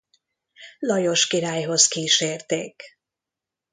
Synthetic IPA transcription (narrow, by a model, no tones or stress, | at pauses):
lɒjo̞ʃkiɾaːjɦo̞zkiːʃeːrt̪eːk